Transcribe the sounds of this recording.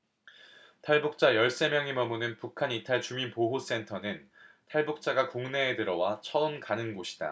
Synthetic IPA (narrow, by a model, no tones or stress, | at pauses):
tʰaɭbuk̚t͡ɕ͈ajʌɭs͈e̞mjʌŋimʌmunɯnpukʰanitʰaɭt͡ɕuminpoɦos͈e̞ntʰʌnɯn | tʰaɭbuk̚t͡ɕ͈aɡakoŋne̞ːdɯɾʌwat͡ɕʰʌɯnkanɯnɡoɕʰi̥d̥a̰